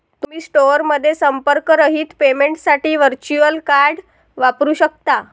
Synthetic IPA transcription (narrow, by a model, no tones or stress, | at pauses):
t̪um̤iːsʈoɾməd̪ʱːjesəmpəɾkɾəɦiːt̪pemeɳʈsaʈiːʋəɾt͡ɕuəlkaɾɽ | ʋapɾuːɕək̚t̪a